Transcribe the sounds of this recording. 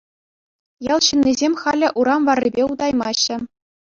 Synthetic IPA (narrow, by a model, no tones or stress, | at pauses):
jɑlˠɕɯnːizʲemʲχɑlʲɘ̆ʔuɾɑmʋɑrʲːibʲeud̪ɑjmɑɕːɘ̆